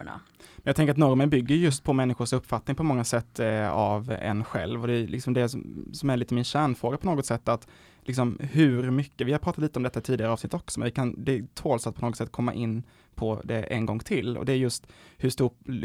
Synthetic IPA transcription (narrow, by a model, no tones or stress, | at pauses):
a̰ | mɛnjɑɡt̪ɛŋkəɾat̪nɔɾmɛnbʏɡːəjjɵst̪pʰɔmɛnːɪɧʊʂɵpːfat̪nɪŋpʰɔmɔŋːasɛt̪ːavɛ̰nɧɛ̰lvɔd̪ɛlɪksɔmd̪ɛsɔsɔmæɾɭiːt̪əmɪnɕæːɳfɾoːɡapʰɔnoːɡɔt̪sɛt̪ːat̪ | lɪksɔmhɵɾmʏkːəvɪhaɾpʰɾɑːt̪at̪liːt̪əɔmd̪ɛt̪ːaɪt̪ʰiːd̪ɪɡaɾɑːvsnɪt̪ːɔksɔmɛ̰nvɪkʰand̪ɛt̪ʰoːlsat̪pʰɔnoːɡɔt̪sɛt̪̚ːkʰɔmːa̰ʔɪnː | pʰɔd̪ɛʔɛ̰nɡɔŋːt̪ʰɪlːɔ̰d̪ɛːɾjɵst̪hɵʂt̪uː